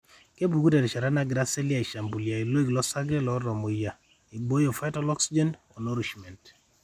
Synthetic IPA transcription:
ke˦bu˨ɡu˦dɛ˨ɾɛ˨ʃa˨ɾa˦na˦ɡɾa˦se˦lja˨i˨ʃa˨mbu˨lja˨i˨lwi˦ɡlɔ˦sa˦ɡɾɛ˦lɔ˨˦ɾɔ˨mo˨ja˨ | i˨ɡ͡bo˦jo˨fa˦jtɔ˦lɔ˦ksi˦d͡ʒɛ˦nɔ˨no˦ɾi˨ʃmɛ˨nt

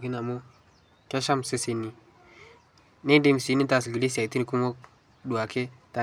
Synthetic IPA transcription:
ki˦na˨mo˦ | ke˦ʃa˦m˨se˦se˨ni˨ | ne˦de˦m˨si˨˦ni˦ta˨s̬ɡi˨le˦si˨a˨ti˦n˨ku˦mo˦k | du˨a˨ke˦ta˨

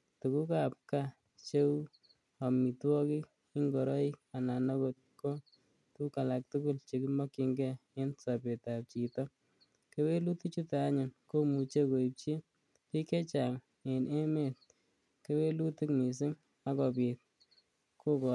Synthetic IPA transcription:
tu˨ku˦ka˨p̚ka˦ | t͡ʃe˦u˦ | a˨mi˨twɔ˦ki˦k | ɪ˦ŋɡɔ˨ɾɔ˦i˦k̚a˨na˨nɔ˦ko˨t̚ko˦ | tuka˨la˨k̚tu˦ku˦lt͡ʃe˨ki˦mɔ˦ki˧ŋɡɛ˦e˦nsa˨pe˨ta˨p̚t͡ʃi˨tɔ˦ | ke˦we˦lu˦ti˦t͡ʃu˦ta˨a˦ɲʊ˨nko˦mu˨t͡ʃe˦ko˨i˨p̚t͡ʃi˦ | pi˦kɛ˦t͡ʃa˨ŋ | e˨nʔe˦me˨t̚ | ke˦we˦lu˦tɪ˦kmi˨s̬ɪ˦ŋ | a˦kɔ˨pi˨t̚ | ko˦kɔ˨

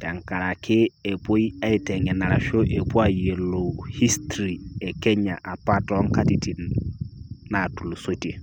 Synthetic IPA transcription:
tɛ˨ŋka˨ɾa˨kʰɪ˦e˨po˦ja˦i˦tɛ˨ŋɛ˨na˨ɾa˨ʃo˦ʔe˨bu˦a˦˨je˨lo˨hi˦stɾi˨ɛ˨kɛ˦ɲa̰˨ʔa˨pa˦tɔ˦ŋ˦ka˦ti˨ti˨n | na˨tu˨lu˨so˦te˨

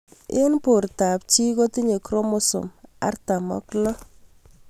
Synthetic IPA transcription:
ɪ˦npʊ˨rta˨p̚t͡ʃi˦ko˦ti˦ɲe˨kɾɔ˦mʊ˦sʊ̰˨ma̰˨˦rta˨mɔ̰˦klɔ˦

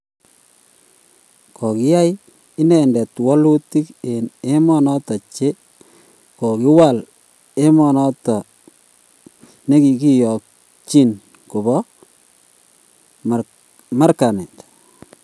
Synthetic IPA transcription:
kɔ˨kɪ˦ja˦j | ɪ˦nɛ˨ndɛ˨twɔ˦lu˦ti˦ke˨ne˦mɔ˦nɔ˦tɔ˨t͡ʃe˦ | kɔ˨ki˦wa˦˨l | e˦mɔ˨nɔ˦tɔ˨ | ne˦ki˨ki˦jɔ˨k̚ | t͡ʃi˦n | ku˨bɔ˦ | ma˦ɾka˨nɛ˨t

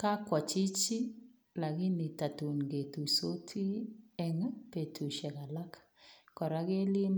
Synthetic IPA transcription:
ka˦kwɔ˨t͡ʃi˦t͡ʃi˦ | la˨ɡɪ˦ni˨ta˨tu˨nɡe˨tu˨so˦tʰi˦ɛ˨ŋ˦pe˨tʰu˨ʃɛ˨ka˨la˦k | kɔ˨ɾa˦ɡe˦lɪ˦m

